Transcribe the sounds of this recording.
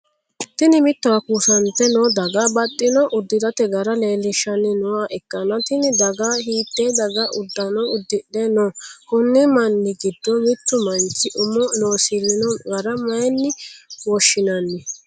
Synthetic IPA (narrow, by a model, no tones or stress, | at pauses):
t̪ɪnɪmɪt̪ːʊɐkusɐnt̪ɛnɔːd̪ɐɡabɐt̪ʼːɪnɔʔʊd̪ːɪd̪ɐt̪ɛɡɐɾɐleːlɪʃːɐnːɪnʊwaːʔɛkːɐnɐt̪ɪnɪd̪ɐɡaɦiːt̪ːeːd̪ɐɡɐʔʊd̪ːɐnɔʊd̪ːɪɗɛnɔkʊnːɪmɐnːɪɡɪd̪ːɔmɪt̪ːʊmɐnt͡ʃːɪʔʊmɔnoːsɪlːɪnɔɡɐɾɐmɐjnːɪwɔʃːɪnɐnːɪ